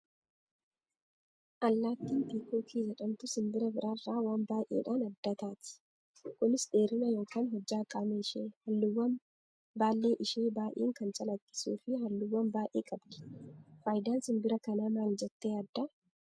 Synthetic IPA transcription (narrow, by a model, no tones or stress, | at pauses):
ʔɐlːaːt̪ːiːnbiːkʰoːkʰiːd͡ʒɛᶑɐmt̪ʊsɪmbɪɾɐbɪɾʔaːrːaːwaːmbaːʔḛːᶑaːnɐd̪ːɐt̪aːt̪ɪ̥ | kʊnɪsde̞ːɾɪnɐjo̞ːkʰaːnɦɔd͡ʒːaːkʼaːmeʃeːhɐlːʊwːɐn | baːlːe̞ːʔɪʃeːbaːʔeːŋkɐnt͡ʃʼɐlɐkʼːɪ̥sṵːfɪɦɐlːʊwːɐmbaːʔeːkʼɐbd̪ɪ̥faːjd̪aːnsɪmbɪɾɐkɐnaːmaːld͡ʒɛt̪ːeːɐd̪ːɐ